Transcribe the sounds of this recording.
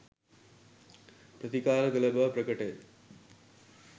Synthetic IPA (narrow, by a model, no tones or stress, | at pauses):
pɾɐt̪ikaːlɐɡɐlɐbɐpɾɐkɐʈe